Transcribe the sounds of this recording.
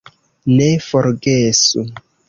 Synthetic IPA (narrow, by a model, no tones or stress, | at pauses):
nefoɾɡesṵ